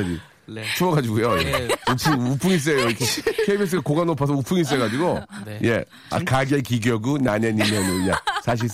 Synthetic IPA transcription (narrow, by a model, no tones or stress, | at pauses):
ɾḭ | t͡ɕʰumʌɡad͡ʑiɡujoeupʰuŋupʰuŋis̬͈eoikʰekʰeibes̬ɯɡakoɡanopʰas̬ʌupʰuŋis̬͈eɡad͡ʑiɡoje̞̰ | a̰kaɡekiɡjʌɡunaneɲimjʌnɯnɲasʰaɕ̬ʰiɭs